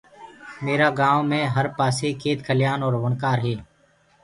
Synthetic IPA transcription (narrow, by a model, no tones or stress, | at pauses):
meːɾaːɡãːʋõmẽːɦəɾpaːseːkʰeːt̪kʰəlɪjaːnɔːɾʋəɳkaːɾɦeː